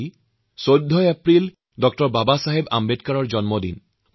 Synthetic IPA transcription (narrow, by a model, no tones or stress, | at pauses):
i | sod̪ʱːɔjɛpɹil | dɔk̚tɔɹbabasaɦeba̰mbetkaɹɔɹd͡ʒɔnmɔdḭn